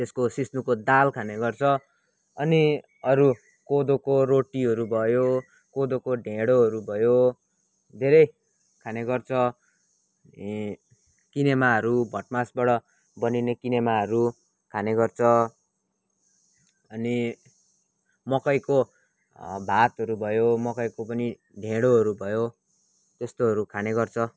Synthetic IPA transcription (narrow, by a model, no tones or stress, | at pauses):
t̪eskosisnukod̪alkʰaneɡʌrt͡sʰʌ | ʌni | ʌɾu | kod̪okoroʈiɦʌɾubʱʌjo | kod̪okoɖʱeɽoɦʌɾubʱʌjo | d̪ʱeɾʌj | kʰaneɡʌrt͡sʰʌ | kinemaɦʌɾubʱʌʈmasbʌɽʌ | bʌninekinemaɦʌɾu | kʰaneɡʌrt͡sʰʌ | ʌni | mʌkʌjko | bʱat̪ɦʌɾubʱʌjomʌkʌjkopʌni | ɖʱẽɽoɦʌɾubʱʌjo | t̪est̪oɦʌɾukʰaneɡʌrt͡sʰʌ